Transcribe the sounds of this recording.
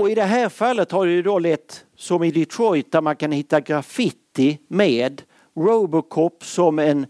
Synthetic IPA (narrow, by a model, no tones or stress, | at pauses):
ɔɪd̪ɛɦæːɾfalːət̪haɖɛjɵd̪olɛt̪ː | sɔmɪd̪ɪt̪ʰɾɔjt̪aɾmankanhɪt̪ːaɡɾafɪt̪ːɪmeːd̪ | ɾoːbəkʰɔpːsɔmɛn